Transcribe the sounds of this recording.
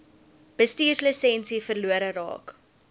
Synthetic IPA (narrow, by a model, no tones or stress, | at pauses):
b̥əstiːrsləsɛnsifərluəɾəɾɑ̰ːk